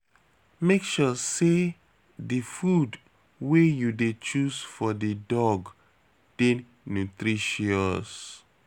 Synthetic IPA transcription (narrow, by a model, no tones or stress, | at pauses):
mekʃɔse | difud | wejudet͡ʃusfɔdidɔɡ | d̥ẽn | nutɾiʃiɔs